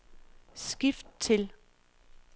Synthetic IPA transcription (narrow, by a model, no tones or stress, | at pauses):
sɡ̥ifd̥̚t͡sʰe̝l